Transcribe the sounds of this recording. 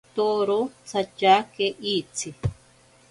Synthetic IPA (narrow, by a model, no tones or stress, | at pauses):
t̪oɾot͡sat͡ʃakeʔiːt͡sʰi